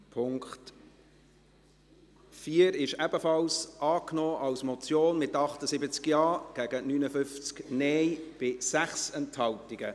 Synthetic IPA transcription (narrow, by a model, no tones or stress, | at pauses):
pʰʊŋkχt | fiːəɾɪʃɛb̥əfɑlsʔɑːknɔːʔɑlsmɔt͡sjoːnmɪtɑχtəsɪbət͡skjɑːɡ̥æɡ̥ənyːnəfʏnft͡sknɛjb̥ɪsæχsɛnthɑltiɡ̥ə